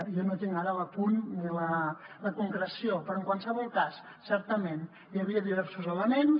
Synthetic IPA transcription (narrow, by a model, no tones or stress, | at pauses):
jonot̪iŋaɾələpunilələkuŋkɾəsiopɾɔəŋkwalˠsəβɔlˠkasːɛɾt̪əmen | jəβiəðiβɛɾsuzələmens